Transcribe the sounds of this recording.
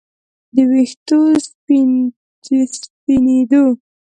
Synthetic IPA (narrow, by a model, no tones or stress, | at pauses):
d̪əwext̪ospi | spined̪o